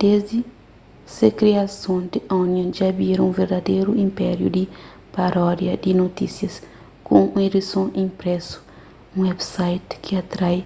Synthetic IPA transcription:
d̪̥ezd̪i | sekɾiasõnd̪iõnjõd͡ʒɐbiɾũveɾd̪ɐd̪ejɾuĩmpɛɾjṵd̪i | paɾɔd̪jɐd̪inot̪isjɐs | kõũidisõĩmpɾɛsu̥ | ũwɛbsajt̪kʰiat̪ɾaj

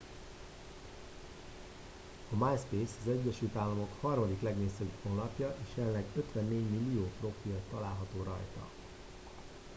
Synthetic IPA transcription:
ɒmajspeːsɒzɛɟːɛʃylt̪aːlːɒmo̞khɒrmɒd̪iklɛɡneːsøpho̞nlɒpjɒʔeːʃɛlːɛɡø̞t̪ʋɛnːeːɟmilːijoːpro̞filːɒlaːlɦɒt̪oːɾɒ̰jt̪ɒ̰

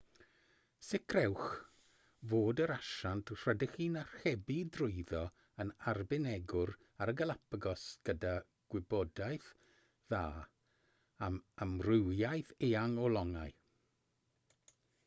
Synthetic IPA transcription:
sɪkʰrɛwχ | voːdəɾaʃantʰr̥ədɪχiːnar̥χɛbidrʊɨðɔ | ənarbɪnɛɡʊɾ | aɾəɡəlˠapʰəɡɔsɡ̥əda | ɡ̥wɪbɔdaɨθ | ðaː | amamrɪwjajθeːaŋɔlˠɔŋaɨ

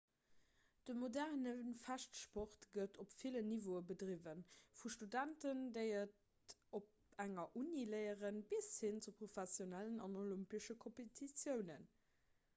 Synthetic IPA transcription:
d̥əmodæʁnənfæʃtʃpoχtɡ̥ətʰopfilənivoəbədʁivənfuʃtudæntəndəɪɐt | op̚æŋɐʔuniləɪəʁənbishint͡supʁofæsjonælənɑnolympəʃəkʰompetʰit͡sjəʊnən

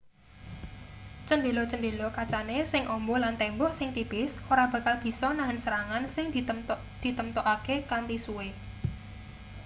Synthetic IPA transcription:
t͡ʃənd̪elot͡ʃənd̪elokat͡ʃanesɪŋʔɔmbɔlant̪ɛmbɔhsɪŋt̪ib̥ɪsoɾab̥ä̤kalb̥i̤sɔnaɦənsəɾaŋansɪŋd̪̥ | d̪̥i̤t̪əmt̪ɔʔakekant̪isuwe

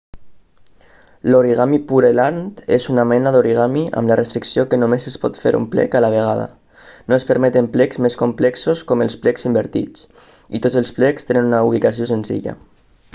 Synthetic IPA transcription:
loɾiɣamipuɾelant̪ezunamɛnaðoɾiɣ̞amiʔa̰mlarest̪ɾiksiokenomesespɔ̰t̪fḛɾṵmplɛ̰kalaβ̞eɣ̞aða̰ | noespəɾmɛt̪emplɛkzmeskomplɛksoskɔmelˠsplɛksimbeɾt̪ḭt͡s | it̪ot͡selˠsplɛkst̪enenunauβ̞ikasiosenzḭʎa̰

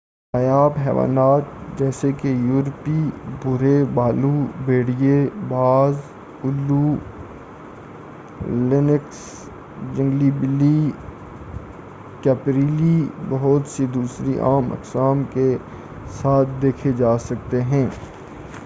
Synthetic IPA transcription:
najaːbɦɛ̰ːʋa̰ːnaːt̪d͡ʒɛːsekejuːɾpibʊɾebaːlubeːɽijebaːz | ʊlːu | lɪnɪks | d͡ʒɐ̃ŋɡlibɪlːi | kɛːpɾiːlibɐɦʊt̪sid̪uːsɾiʔa̰ːmɐ̰qsaːmke | saːt̪ʰd̪eːkʰed͡ʒaːsɐk̚t̪eɦɛ̃ː

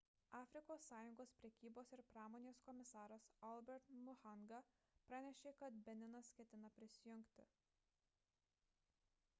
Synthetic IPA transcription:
ɑːfʲɾʲɪkoːsːɑːjʊŋɡoːspʲɾʲɛkʲiːboːsɪɾpɾɑːmoːnʲeːskɔmʲɪsɑːɾɐsɔlˠʲbʲɛɾt̪mʊxɐŋɡɐ | pɾɑːnʲɛʃʲeːkɐt̪bʲɛnʲɪnɐskʲɛt̪ʲɪnɐpʲɾʲɪsʲɪjʊŋʲkʲt̪ʲɪ̰

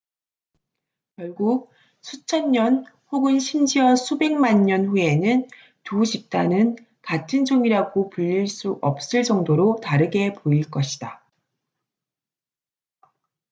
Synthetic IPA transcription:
kjʌɭɡuk̚ | sʰut͡ɕʰʌnɲʌn | ɸoɡɯnɕʰimd͡ʑiwʌsʰube̞ŋmaɲɲʌnɸue̞nɯn | tuɕʰip̚t͈anɯn | katʰɯnd͡ʑoŋiɾaɡopuʎːiɭs͈uʔʌp̚s͈ɯɭt͡ɕʌŋdoɾotaɾɯɡe̞poiɭk͈ʌɕʰid̥a

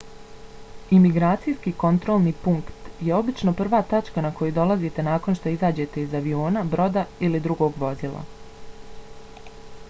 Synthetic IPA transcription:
imiɡɾaːt̪sijskiko̞nt̪ɾo̞ːlˠniːpuŋkt̪je̞o̞bit͡ʃno̞pr̩ʋaːt̪at͡ʃkanako̞jud̪o̞lˠazit̪e̞naːko̞nʃt̪o̞izaːd͡ʑe̞t̪e̞izaʋio̞ːnabɾo̞d̪ailid̪ɾuɡo̞ːɡʋo̞zilˠa̰

